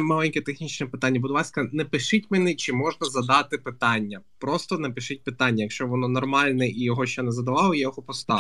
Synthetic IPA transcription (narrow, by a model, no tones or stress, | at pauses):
mɑlʲˠɛnʲkʲɛt̪exnʲit͡ʃnɛpɪt̪anʲːɐbʊd̪lˠɑsʲkɐnɛpɪʃɪtʲmɛnɪt͡ʃɪmɔʒnɐzɐd̪ɑt̪ɪpɪt̪ɑnʲːɐpɾɔst̪ɔnɛpɪʃɪt̚ʲpɪt̪anʲːɐjɐkʃt͡ʃɔʋɔnɔnɔrmɑlʲnɛʔijɔɦɔʃt͡ʃɛnɛzɐd̪ɐʋɑlˠɔjɐjɔɦɔpɔst̪ɑ